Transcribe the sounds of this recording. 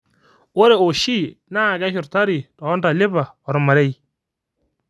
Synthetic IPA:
o˦ɾe˨o˨ʃi˦˨na˦˨ɡa˦ʃʊ˨ɾta˦ɾi˨tɔ˨ɔ˦nda˨lɪ˦ba˨ | ɔ˨ɾma˨ɾe˦j

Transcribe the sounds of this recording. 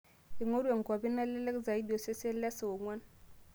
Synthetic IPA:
i˨ŋo˦ɾe˨ŋ˨ko˨bi˦nːa˦le˦le˦kza˨i˦do˨se˦se˦le˦sa˨wo˨ŋʷwa˦n

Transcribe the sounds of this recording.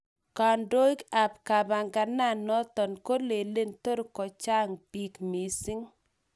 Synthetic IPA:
ka˨ndo˦i˦ka˨pka˨ba˨ŋɡa˨na˦˨nːɔ˦t̪ɔ˨nko˦le˨le˦nt̪o˦ɾkɔ˨t͡ʃa˦ŋpi˦kmi˨si˦ŋ

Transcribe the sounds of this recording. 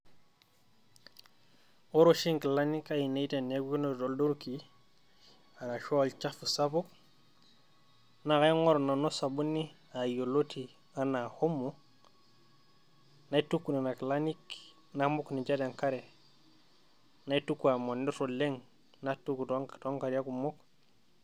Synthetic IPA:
oɾoʃi˦ŋkilani˦kaji˨ne˦ite˨nːeɡu˦ki˦nodoldu˦ɾki | a˨ɾa˨ʃolt͡ʃafu˨sabu˦k | naka˦ŋo˦ɾna˨nosabu˦nːi˦ | a˨jo˨loti | ana˨ho˦mːu | na˦itukːu˨na˨na˨klanik | namu˦kni˨d͡ʒa˦daŋka˦ɾe˨ | na˦itukːua˨mo˨ni˦ɾole˦ŋ | natu˦ku˨tokto˦ŋkaɾja˦ku˨mok

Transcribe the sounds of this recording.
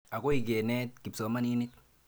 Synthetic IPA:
a˨ko˦i˨ɡe˨nɛ˦t̪̚ki˨psɔ˨˦ma˦ni˦ni˦t̪

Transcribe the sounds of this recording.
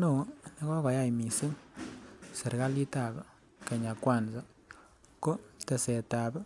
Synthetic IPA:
no˨wne˦kɔ˦ka˨ja˦˨jmi˨si˦ŋ | se˨ɾka˦li˦ta˨b | ke˨ɲa˨kwa˦˨nza˦ | ko˦te˨sɛ˨ta˨b

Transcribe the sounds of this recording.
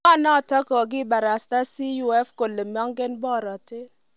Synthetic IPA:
ɔ˦˨nɔ˦˨tɔ˦kɔ˨ɡɪ˦˨ba˨ɾa˨sta˦si˦ju˨˦ɛ˦fko˨le˨m˦ɔ˦ŋɡɪ˦nbɔ˦˨ɾɔ˨tɪ˦

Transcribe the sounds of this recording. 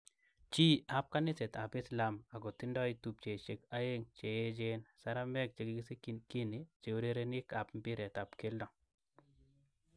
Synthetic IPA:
t͡ʃi˦a˨p̚ka˦nɪ˦se˨ta˨pɪ˦sla˨ma˨ɡɔ˨ti˦ndɔ˦i˦tu˨p̚t͡ʃe˨t͡ʃe˨ka˦e˦ŋt͡ʃe˨je˦d͡ʒe˦nsa˦ɾa˦mɛ˦k̚t͡ʃe˨ɡi˦ɡi˦se˦kki˦ni˨t͡ʃe˨u˦ɾe˦ɾe˦ni˦ka˨pmpɪ˦ɾɛ˨ta˨pke˦ldɔ˨ŋ

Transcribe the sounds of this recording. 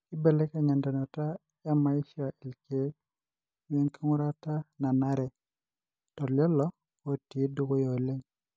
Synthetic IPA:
ki˦be˨le˦ka˨ɲa˨ndɔ˨nɔ˨ta˦ | ja˦ma˨i˦ʃi˦a˨ʔe˨lke˦ | we˦ŋki˦ŋu˦ɾa˦ta˦na˨naɾɛ˨ | tɔ˨lɔ˦lɔ˦ | o˨ti˨˦du˦ɡo˦jo˨le˦ɲ

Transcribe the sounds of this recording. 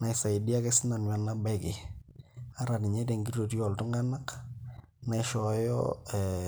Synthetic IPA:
na˨ɪ˨sa˨i˨di˦a˦ke˦sɪ˦na˨nwa˨na˦ba˦ɪkɪ˨ | a˦ɾa˨tɪ˨ɲɛ˦te˨ŋɡi˦to˨tjɔ˨ltʊ˦ŋɡa˦na˦k | na˨ɪʃɔ˨jɔ̰˦ɛ˨

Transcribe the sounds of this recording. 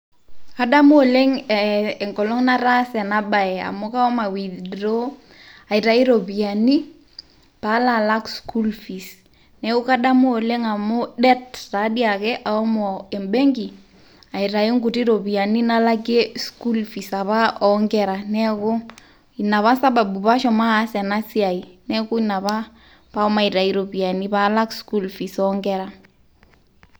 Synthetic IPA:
ka˦ɗa˦mo˦o˨le˦ŋɛ˨ŋɡɔ˨lɔ˦ŋna˦ɾa˦sɛ˨na˦ɓa˨ɛ˨a̰˨mo˦ka˦ɔ˦ma˨wi˨dɾo˦ | a˨i˨ɾa˨i˦ɾo˨βi˨a˨ni˦ | pa˨˦la˨la˦ksku˦lfi˨s | nɛ˦ko˦ka˦ɗa˦mo˦o˨le˦ŋa˨mo˦ɗɛ˦tta˨˦ɗi˦a˨kɛ˦ʔa˨ɔ˦mɔ˨e˨mbɛ˦ŋɡi˨ | a˨i˨ɾa˨i˦ŋɡu˨ti˦ɾo˨pi˨a˨ni˦na˦la˦ke˦sku˦lfi˨sa˨βa˦ʔɔ˨ŋɡɛ˨ɾa˨nɛ˦ko˦ | i˨na˨βa˦sa˦ba˨bu˨pa˦ʃɔ˨maː˦sɛ˨na˦si˦a˨i˨nɛ˦kʊ˦i˦na˨βa˦ | pa˦ɔ˦ma˨i˨ɾa˨i˦ɾo˨pi˨a˨ni˦pa˨˦la˦ksku˦lfi˨sɔŋɡɛ˦ɾa˨

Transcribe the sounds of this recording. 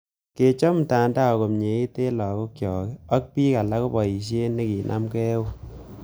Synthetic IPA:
ke˨t͡ʃɔ˦m˨ta˨nda˦ɔ˨ko˨mɲe˨i˦te˦lɔ˨ko˦kjɔː˨kɛ˦ɔ˦k̚pi˦ka˨la˦ko˦bɔ˨i˨ʃ̬e˦ne˦ki˨nʔa̰˦mkɛ˦wo˦

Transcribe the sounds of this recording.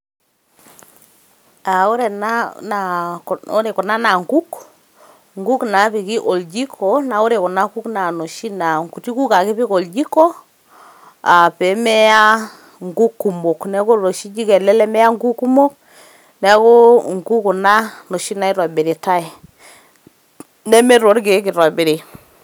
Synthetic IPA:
a˨o˦ɾɛ˨na˦na˨o̰˦ɾe˨kɔ˨na˦na˨ŋɡu˦k | ŋɡu˦kna˨˦pi˨ki˦ʔo˨ld͡ʒi˦kʰɔ˨na˨o˦ɾe˨kɔ˨na˦ku˦kna˨no˨ʃi˦na˨ŋɡu˨ti˦ku˦ka˨kɪ˦pi˦ko˨ld͡ʒi˦kɔ˦ | a˨pɛ˨˦mɛ˦ja˦ | ŋɡu˦kːu˨mo˨knɛ˦ko˦ɾo˨ʃi˦d͡ʒi˦kɛ˨lɛ˦lɛ˦mɛ˦ja˦ŋɡu˦kːu˦mo˦k̚ | nɛ˦ko˦ŋɡu˦ku˨na˦no˨ʃi˦na˨i˦ɾɔ˨be˨ɾi˨ta˦ɛ˨ | nɛ˦me˦ɾo˨˦ɾɡe˨˦k̬i˨ɾɔ˨be˨ɾi˨

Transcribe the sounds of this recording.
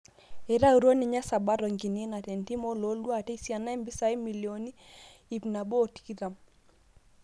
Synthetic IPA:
ɛ˨ɾa˦u˨ɾo˦ni˨ɲa˦sa˨ba˦ɾɔ˨ŋɡi˨ni˦na˨tɛ˨nti˦mɔ˦lo˨˦lwa˦˨tɛ˦i˨sja˨na˦i˦mbi˦sa˨˦i˦mi˨ljɔ˨ni˦ | i˨pna˨bɔ˦˨ti̥˨ki˦ɾa˨m

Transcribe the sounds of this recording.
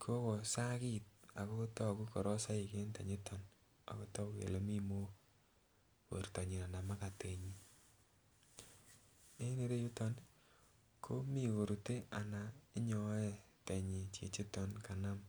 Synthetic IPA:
kʰo˦ko˨sa˦ki˦t̚a̰˨ko˦tɔ˦ku˦kɔ˨ɾɔ˦sa˦i˨ke˦nta˨ɲi˦tʰɔ˨n | a̰˨ko˦tɔ˦kḛ˨lo˦mi˦mo˦ | ko̰˨ɾta˨ɲi˨na˨na˨ma˦ka˨te˨ɲi˦ | e˦ne˦ɾe˦ju˦tɔ˦n | kʰo˦mi˨ko˨ɾu˨te˦a˨na˨i˦ɲɔ˨˦e˨te˨ɲi˨t͡ʃḛ˨t͡ʃi˦tɔ˨nka˨na˦m

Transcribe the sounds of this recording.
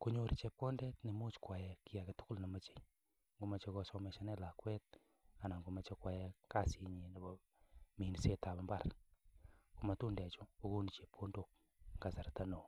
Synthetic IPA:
ku˦ɲo˨ɾit͡ʃɛ˨p̚kɔ˦ndɛ˦tni˨mu˦t͡ʃkwa˨jɛ˨ki˦a˨ke˨tʊ̥˦kʊ˦lna˨ma˨t͡ʃe̥˨ | ŋɡu˨ma˨t͡ʃe˧kɔ˧sɔ˧mɛ˨ʃa˦nɛ˦la˨kwɛ˦t̚ | a˨na˨ŋɡu˨ma˨t͡ʃe˦kwa˨jɛ˦ka˦si˨ɲi˨na˨bɔ˨ | mi˨ni˨se˦ta˨ba˨mba˦r | ku˨ma˨tu˦ndɛ˨t͡ʃʊ˦o˦ku˦ni˨t͡ʃe˨p̚ko˦ndo˨k̚ | ŋɡa˨sa˨ɾta˦no˨

